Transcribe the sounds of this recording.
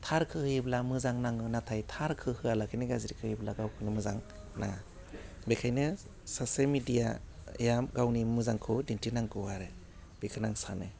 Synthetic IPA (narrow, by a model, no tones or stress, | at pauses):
tʰaɾkʰɯhɯiblamɯzaŋnaŋɯnatʰajtʰaɾkʰɯhɯalakʰɯjniɡaziɾikʰɯhiblaɡawkʰɯnimɯzaŋ | na | bekʰajnɯ | soselmidijaḛjamɡawnimɯzaŋkʰɯdintinaŋkʰɯwaɾɯ | b̥ekʰɯnaŋsanɯ